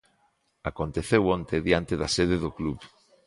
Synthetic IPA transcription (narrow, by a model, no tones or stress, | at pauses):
akont̪eθewont̪eðjant̪eðaseðeðokluβ